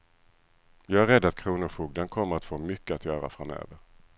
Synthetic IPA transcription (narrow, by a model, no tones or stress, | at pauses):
jɑːɡæɾɛd̪ːat̪̚kʰɾuːnʊɾfuːɡd̪ankʰɔmːəɾat̪foːmʏkːəat̪jœːɾa̰fɾamø̰ːvəɾ